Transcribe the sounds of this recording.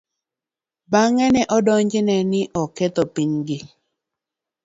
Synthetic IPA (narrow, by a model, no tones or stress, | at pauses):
baŋɛnɛʔɔdɔɲd͡ʒɪnɛnɪʔɔkɛt̪ɔpiɲɡɪ